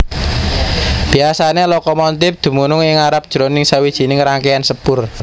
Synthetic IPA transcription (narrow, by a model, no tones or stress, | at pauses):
b̥i̤asanelɔkɔmɔnt̪ɪp̚d̪̥ṳmunʊŋɪŋaɾap̚d̥ʒ̥ɾonɪŋsawid̥ʒ̥i̤nɪŋɾaŋkeansəb̥ʊr